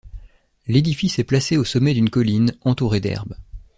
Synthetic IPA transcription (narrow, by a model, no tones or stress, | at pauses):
led̪ifisɛplaseosɔmːɛd̪ynkɔlinɑ̃t̪uʁed̪ɛ̰ʁb